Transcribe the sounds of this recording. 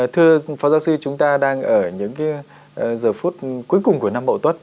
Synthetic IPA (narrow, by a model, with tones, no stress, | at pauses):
t̪ʰɨ˧əfɔ˨˦za˨˦wsi˧t͡ɕʊ˨˦ŋ͡mt̪aː˧ɗaː˧ŋʔəː˧˩ɲɨ̰˧˥ŋkː | zəː˨˩fu˦˥t̚ku˨˦əjkʊ˨˩ŋ͡mku˧˩əna˧mɓə̰˧˨wt̪wə˦˥t̚